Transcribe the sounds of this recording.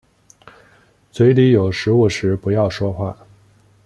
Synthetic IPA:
t͡swe˧˥ɪli˧˥jo˨˩ʊʂɻ̩˧˥u˥˩ʂɻ̩˧˥pu˧˥jɑ˥˩ʊʂwɔ˥xwa̰˥˩

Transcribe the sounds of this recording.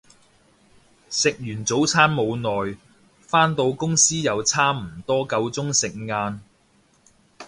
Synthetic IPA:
sɪ˨k̚jyː˨˩nt͡so˨˥wt͡sʰaː˥nmo˨˧wnɔː˨j | faː˥nt̪o˧wkʊ˥ŋsiː˥jɐ˨˧wt͡sʰaː˥m̩˨˩t̪ɔː˥kɐ˧wt͡sʊ˥ŋsɪ˨k̚ŋaː˧n

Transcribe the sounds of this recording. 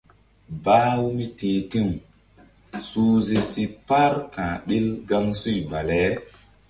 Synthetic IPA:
ba˦wu˦mi˦te˨ti˦˨ŋ | suː˦ze˨si˨pa˦ɾkã˨ɗi˦lɡa˦ŋsu˦˨jba˨lɛ˨˦

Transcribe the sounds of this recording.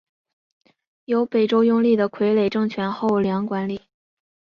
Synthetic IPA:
jo˧˥ʊpe˨˩ɪʈ͡ʂo˥ʊjʊ˥˧ŋli˥˩d̪ə˩kʰwe˧˥ɪle˨˩ɪʈ͡ʂɤ˥˩ŋt͡ɕʰɥɛ˧˥nxo˥˩ʊljɑ˧˥ŋkwa˧˥nli˨˩˦

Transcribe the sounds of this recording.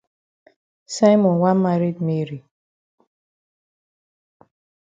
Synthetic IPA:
sa˦jmɔ˨nwa˦ma˦ɾi˦kme˦ɾi˨

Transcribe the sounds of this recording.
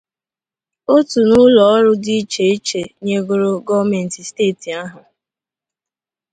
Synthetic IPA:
o˦tu˨nʊ˦lɔ˨ɔ˦ɾʊ˦dɪ˦i˦t͡ʃe˨i˦t͡ʃe˨ɲe˦ɡʊ˦ɾo˦ɡɔ˦me˨n̩˨ti˨steː˦˨ti˨a˦ɦʊ˨

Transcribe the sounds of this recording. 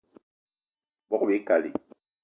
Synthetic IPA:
bɔ˦be˨˦ka˨lḭ˨

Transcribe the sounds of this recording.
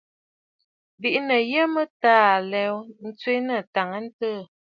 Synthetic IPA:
bi˨ʔnə˨jə˦mə˦taː˦˨lɛ˦wn̩˦t͡swe˦nə˦˨ta˨ŋə˦n̩˦tə˦˨

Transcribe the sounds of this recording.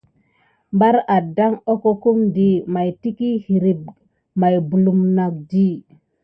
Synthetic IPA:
mba˦ɾa˨da˦ŋo˦ko˦ku˦mdi˨ma˨jti˦ki˦hi˨ɾi˨b̚ | ma˨jbu˨lu˨mna˨k̚di˦

